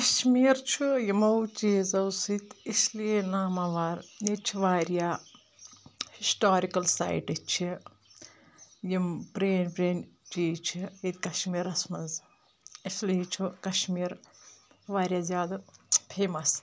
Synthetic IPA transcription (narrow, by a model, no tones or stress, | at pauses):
kɐʃmiːɾt͡ʃʰujimɐwt͡ʃiːzɐwsit̪islinaːmɐʋaːɾjit͡ʃʰiʋaːɾjaː | hisʈaːɾikɐlsa̰jʈit͡ʃʰi | jimpɾeːnpɾeːnt͡ʃiːt͡ʃʰiit̪kɐʃmiːɾɐsmɐnz | isliːt͡ʃʰukɐʃmiːɾ | ʋaːɾjaːzjaːd̪ɐpʰeːmɐs